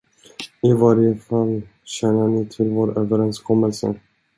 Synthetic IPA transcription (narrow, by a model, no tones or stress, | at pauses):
ɪvaɾjəfalːɕɛnːəɳɪt̪ʰɪlvoːɾøːvəɾɛnskʰɔmːəlsə̰